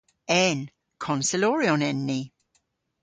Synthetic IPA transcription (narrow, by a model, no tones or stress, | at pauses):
ɛn | kʰɔnsɪlɔɹiɔnɛnːi